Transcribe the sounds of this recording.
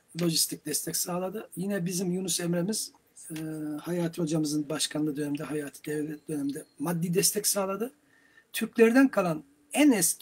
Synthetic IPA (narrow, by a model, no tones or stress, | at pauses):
lʲˠo̞ʒist̪ʰic̚d̪ɛst̪ʰɛcsaːlˠad̪ɯjinɛbizimjunusɛmɾemiz̥ | hajaːt̪ʰɯho̞d͡ʒamɯzɯnbaʃkʰanlˠɯd̪ønɛmd̪ɛɦajaːt̪ʰɯ̥d̪ɛvlʲɛt̪̚d̪ø̞nɛmd̪ɛmad̪ːid̪ɛst̪ʰɛcsaːlˠad̪ɯ | t̪ʰyɾclʲeɾd̪ænkʰalˠan | ænɛs